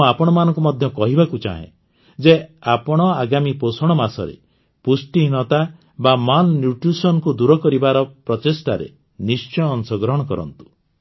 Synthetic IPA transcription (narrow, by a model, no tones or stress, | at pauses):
apɔɽ̃ɔmanɔ̃ŋkumɔd̪ʱjɔkɔɦibakut͡ʃa̰ɦḛ̃ | d͡ʒeapɔɽ̃ɔaɡamiposɔɽ̃ɔmasɔ̰ɾḛ | pusʈiɦiñɔt̪a | bamannjuʈɾusɔnɔkud̪uɾɔkɔɾibaɾɔpɾɔt̪esʈaɾḛ | nist͡ʃɔːnsɔɡɾɔɦɔɽ̃ɔkɔɾɔ̰nt̪u̥